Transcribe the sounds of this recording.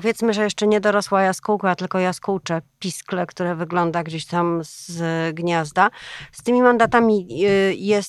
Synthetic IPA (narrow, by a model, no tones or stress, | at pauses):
pɔvʲjɛt̪smɘʐɛjɛʂt͡ʂɛɲɛd̪ɔɾɔswajaskuwkat̪ɘlkɔjaskuwt͡ʂɛpʲisklɛkt̪uɾɛvɘɡlɔnd̪aɡd͡ʑeɕt̪amzɡɲazd̪ast̪ɘmʲimand̪at̪amʲijɛs